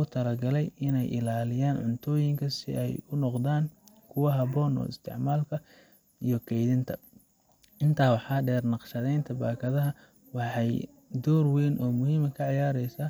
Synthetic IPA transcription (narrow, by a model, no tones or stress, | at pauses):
ʊt̪ʰɐlɐɡɐlɛjɪnɛjʔɪ̰laːlɪjaːnʕʊ̰nt̪ʰɔːjɪŋkʰɐsɪ̰ʔɛjʊnɔqd̪aːŋkʰʊwɐɦɐβɔːnɔ̰ːɪst̪ʰɪ̰ʕmaːlkʰɐ | ijɞkʰɛjðɪnt̪ʰɐ | ʔɪnt̪ʰaːwɑħɑːɖɛːrnɑqʃɐðɛjnt̪ʰɐbaːkʰɐðɐɦɐ | wɑħɑj | d̪ɔːrwɛjnʔɔːmʊɦiːmɐkʰɐʕɑjaːɾɛjsaː